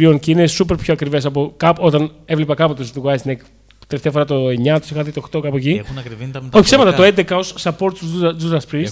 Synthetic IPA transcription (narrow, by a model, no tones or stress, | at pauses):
ɾio̞nceinesupeɾpçoɐkɾive̞sɐp̬o̞kɐpo̞t̪ɐnevlepɐkɐpot̪osðuɣɐsnek | t̪eleft̪eɐfoɾɐt̪o̞eɲɐt̪u̥sixɐðit̪oxt̪o̞kɐpoeciɐkvio̞çi̥semɐt̪ɐt̪oe̞nd̪ekɐo̞sːɐpo̞ɾt̪suzuzɐspɾis